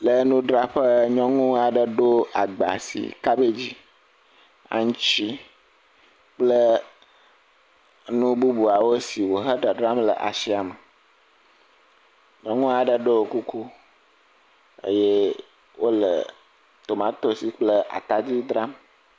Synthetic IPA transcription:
lə˦nũ˦ɖɾa˦ɸə˦ɲɔ̃˦ŋũ˦a˨ɖə˨ɖo˦a˨ɡ͡ba̰˨sḭ˨ka˦be˦d͡ʑi˦ | a̰˨ŋũ˦t͡ɕi˦ | k͡plə˦ | nũ˦bu˦bu˨a˨wo˦si˨wo˨ɦə˦ɖə˨ɖɾa˦mlə̰˨ʔa̰˨si˦a˨mə˨ | ɲɔ̃˦ŋũ˦a˨ɖə˨ɖo˦o˨ku˦ku˦ | ḛ˦je˦ | wʔo˦lə̰˨ | t̪o˨mã˨˦t̪o˦si˨k͡plə˦ʔa̰˨t̪a˦d͡ʑi˦d̪ɾa˦m

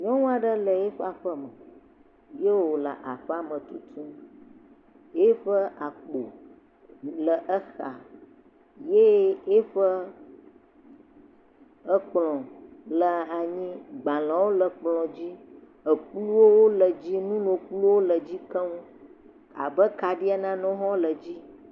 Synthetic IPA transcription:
ɲɔ̃˦ŋũ˦a˨ɖə˦lə˨je˦ɸa˨ɸə˦mə˨ | je˦wwo˨la̰˨ʔa˨ɸɛ˦a˨mə̃˨t̪u˦t̪ʰũ˦ | e˦ɸə˦ʔa˨k͡po˨ | lə˨ʔə˦xa˨ | je˦e˦ɸə˦ | ə˦k͡plɔ̃˨lə˨a˨ɲĩ˦ɡ͡bã˨lã˨wo˦lə˨k͡plɔ̃˨d͡ʑi˦ | ə˨klu˦wo˦wo˦lə˨d͡ʑi˦nũ˦nõ˨k͡plu˦wo˦lə˨d͡ʑi˦kə˦ŋũ˦ | a̰˨bə˦ka˨ɖi˦a˦nã˦nɔ̃˦ɦɔ̃˦lə˨d͡ʑi˦

